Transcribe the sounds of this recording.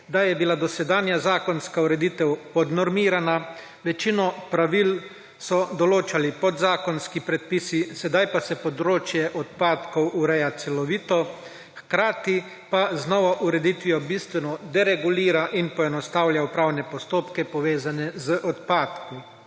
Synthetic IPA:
d̪ajɛbilad̪ɔsɛd̪aːnjazaːkɔnskauɾɛd̪it̪ɛwpɔd̪nɔɾmiːɾana | ʋɛt͡ʃinɔpɾaʋil | sɔd̪ɔloːt͡ʃalipɔd̪zaːkɔnskipɾɛt̪̚pisisɛd̪ajpasɛpɔd̪ɾoːt͡ʃjɛʔɔt̪paːt̪kɔwuɾɛjat̪sɛlɔʋiːt̪ɔ | xkɾaːt̪i | paznɔʋaʔuɾɛd̪it̪ʋijɔbist̪ʋɛnɔd̪ɛɾɛɡuliːɾaʔinpɔɛnɔst̪awlʲjaupɾawnɛpɔst̪oːpkɛpɔʋeːzanɛzəʔɔt̪paːt̪ku

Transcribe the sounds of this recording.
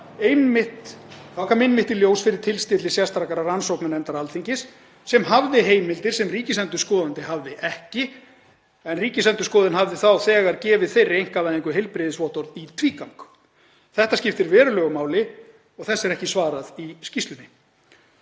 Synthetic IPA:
ejnmɪht̪θakʰamɪjnmɪht̪ɪljoːwsfɪɾɪɾ̥t̪ʰɪlst̪ɪːt̪lɪsjast̪ɾakaɾaɾransowknanɛnt̪aɾalθiɲcɪsː | ɛmɦavðɪɦeːjmɪlt̪ɪɾ̥sɛmriːcɪsɛnt̪ʏ̥skɔːðant̪ɪɦavðɪʔɛhcɪ | ɛnriːcɪsɛnt̪ʏskɔːðɪnɦavðɪθawθɛːɣaɾcɛːvɪðθejrejŋ̥kavajðɪŋkʏɦejlpɾɪðɪsvɔht̪ɔɾðit̪ʰviːkawŋk | θɛht̪ascɪft̪ɪɾvɛːɾʏlœːɣʏmaːwlɪ | ɔɣθɛsːɛɾɛhcɪsvaːɾaðiscist̪lʏnːɪ

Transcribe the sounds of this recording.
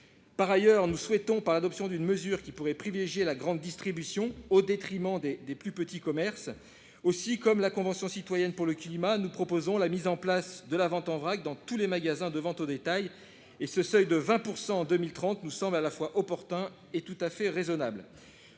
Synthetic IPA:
paʁajœʁnuswɛt̪ɔ̃paʁlad̪ɔpsjɔ̃d̪ynməzyʁkʲipuʁɛpχivileʒjelaɡʁɑ̃d̪ːist̪χibysjɔ̃od̪et̪χimɑ̃d̪ed̪eplypət̪ikɔmɛʁs | osikɔmlakɔ̃vɑ̃sjɔ̃sit̪wajɛnpuʁləklimanupχɔpozɔ̃lamizɑ̃plasd̪əlavɑ̃t̪ɑ̃vʁaɡ̚d̪ɑ̃t̪ulemaɡazɛ̃d̪əvɑ̃t̪od̪et̪aj | esəsœjd̪əvɛ̃puʁsɑ̃ːd̪ømilt̪χɑ̃t̪nusɑ̃blalafwaʔɔpɔʁt̪ɛ̃ | et̪ut̪afɛʁezɔnabl

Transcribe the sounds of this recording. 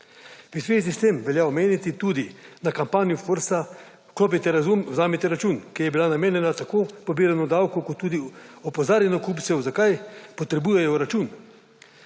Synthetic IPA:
uzʋeːzist̪emʋɛljaɔmeːnit̪it̪uːd̪inakampaːnijufoɾsa | kloːp̬it̪ɛɾazumzaːmit̪ɛɾat͡ʃuːnkijɛbilanameːnjɛnat̪akoːpobiːɾanɔd̪awkɔkɔt̪ːuːd̪iɔpozaːɾjɛnɔkupt̪sɛwzakajpɔt̪ɾɛbujɛjɔɾat͡ʃuːn

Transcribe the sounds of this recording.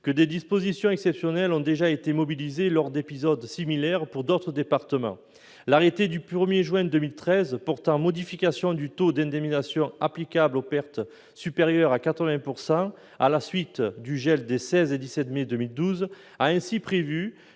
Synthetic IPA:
kəd̪ed̪ispozisjɔ̃ɛksɛpsjɔnɛlɔ̃d̪eʒaet̪emɔbilizelɔʁd̪epizɔd̪similɛʁpuʁd̪ot̪χəd̪epaʁt̪əmɑ̰̃ | laʁet̪ed̪ypχəmjeʒwɛ̃d̪əmilt̪χɛzpɔʁt̪ɑ̃mɔd̪ifikasjɔ̃d̪yt̪od̪ɛ̃d̪ɛminasjɔ̃aplikablopɛʁt̪ | sypeʁjœʁakat̪χəvɛ̃puʁsɑ̃ | alasɥit̪d̪yʒɛld̪esɛzed̪isɛt̪med̪ømild̪uz | aɛ̃sipχevy

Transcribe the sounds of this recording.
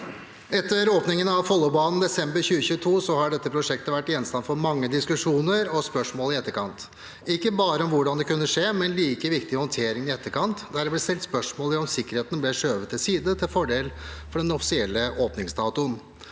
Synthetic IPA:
ɛt̪ːəɾoːpnɪŋənɑʋfɔlːɔbɑːnn̩d̪ɛsɛmbəɾçʉːəçʉːət̪ʰuːsɔhɑɖɛt̪ːəpʰɾʊʂɛkt̪əʋæʈːɪɛnst̪ɑnfɔɾmɑŋːəd̪ɪskʉʂuːnəɾɔspœʂmoːlɪɛt̪ːəɾkʰɑnt̪ | ɪkːəbɑːɾəɔmʋʊɖɑnd̪ɛkʉnːəʂeːmɛnliːkəʋɪkt̪ɪhɔnt̪ʰeːɾɪŋɪɛt̪ːəɾkʰɑnt̪d̪æɾɖɛblɛːst̪ɛlt̪spœʂmoːləɾɔmsɪkːəɾheːt̪n̩blɛʂøːʋət̪ːɪlsiːd̪ət̪ʰɪlfɔɖeːlfɔɖɛnɔfɪ̥sɪɛlːəʔoːpnɪŋsd̪ɑːt̪ʊən

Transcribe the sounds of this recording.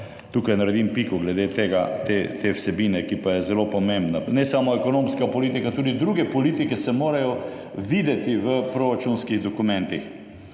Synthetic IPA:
t̪ukajnɐɾɛd̪impikɔɡlɛd̪et̪eːɡat̪et̪ʰewsɛbiːnɛkipajɛzɛlopɔmẽmbnanɛsamɔɛkɔnõmskapɔlit̪ikat̪uːd̪id̪ɾuɡɛpɔliːt̪ikɛsɛmoːɾajɔ | ʋiːd̪ɛt̪iʋəpɾoɾat͡ʃunskiɣd̪ɔkumɛ̃nt̪ix

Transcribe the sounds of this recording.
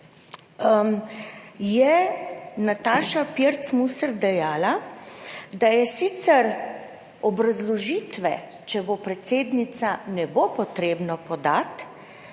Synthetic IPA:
jɛ | nat̪aːʃapjeɾt̪smusɛɾd̪ɛjaːla | d̪ajɛsit̪sɛɾ | ɔbɾazlɔʒiːt̪ʋɛ | t͡ʃɛbopɾɛt̪seːd̪nit̪sanɛbopɔt̪ɾeːbnapɔd̪at̪

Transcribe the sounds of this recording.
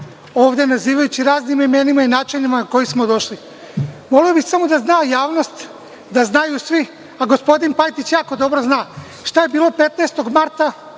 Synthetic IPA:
o̞ːʋd̪e̞naziːʋajut͡ɕiɾaːznimimenimainaːt͡ʃinimanako̞jismo̞d̪o̞ʃli | mo̞lijobixsamo̞d̪aznaːjaːʋno̞st̪ | d̪aznajusʋi | aɡo̞spo̞d̪inpajt̪it͡ɕjaːko̞d̪o̞bɾoznaː | ʃt̪ajebiːlo̞pe̞t̪neːst̪o̞ɡmaɾt̪a

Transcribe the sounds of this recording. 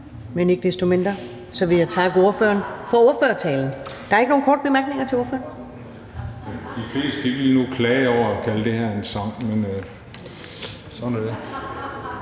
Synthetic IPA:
mene̝ɡ̥əd̥esd̥o̝me̝nd̥ʁɐ | sɒ̽ʋe̝jɑt͡sʰɑ̈ɡ̥əo̝ɐfø̰ɐnfɒ̽o̝ɐføːɐt͡sʰɛːln̩d̥ɑ̈ɐeɡ̥no̝ːnkɒɔ̰ːd̥̚b̥emæɐɡ̥ne̝ŋɐt͡sʰe̝o̝ɐfø̰ːɐn | ed̥ifle̝̰ːsd̥d̥iʋelnukʰlɛːɒʊ̰ɐækʰæləd̥e̝hæɐ̰ensɑ̈ŋ̰men | sɒnɔ

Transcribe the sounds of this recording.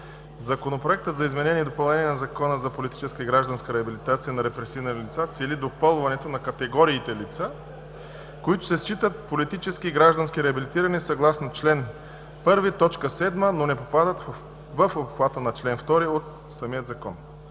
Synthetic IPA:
zɐkonopɾoɛk̚t̪ət̪zɐizmɛnɛniɛd̪opɐlˠnɛniɛnɐzɐkɔnəzɐpolit̪i̥t͡ʃɛskəiɡɾaʒd̪ɐnskəɾɛɐbilit̪at̪sijənɐɾɛpɾɛsivnɐlʲit̪sat̪sɛlid̪opɤlˠvɐnɛt̪onɐkɐt̪ɛɡɔɾiːt̪ɛlit̪sa | koit̪ʊ̥sɛst͡ʃit̪ət̪̚polit̪it͡ʃɛskiɡɾaʒd̪ɐnskiɾɛɐbilit̪iɾɐnisɐɡlˠasnot͡ʃlɛn | pɤɾvit̪ɔt͡ʃkəsɛd̪mənonɛpopad̪ət̪ | vəfopxvat̪ənɐt͡ʃlɛnft̪ɔɾiot̪ | sɐmijət̪zɐkɔn

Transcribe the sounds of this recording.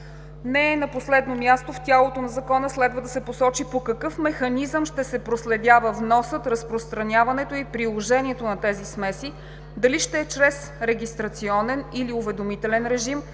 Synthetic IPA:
nɛnɐposlɛd̪nomʲjast̪oft̪ʲalˠot̪onɐzɐkɔnəslɛd̪vəd̪ɐsɛposɔt͡ʃipokɐkɤfmɛxɐnizəmʃt̪ɛsɛpɾoslɛd̪ʲjavəvnɔsət̪ɾəspɾost̪ɾɐnʲjavɐnɛt̪oipɾilˠoʒɛnʲiɛt̪onɐt̪ɛzismɛsi | d̪ɐliʃt̪ɛɛt͡ʃɾɛs | ɾɛɡʲist̪ɾɐt̪siɔnɛniliʊvɛd̪omit̪ɛlɛnɾɛʒim

